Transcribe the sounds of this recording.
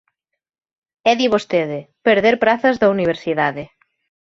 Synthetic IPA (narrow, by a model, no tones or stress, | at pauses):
ɛðiβost̪eðɪpeɾðeɾpɾaθɐzðɐuniβ̞eɾsiðaðɪ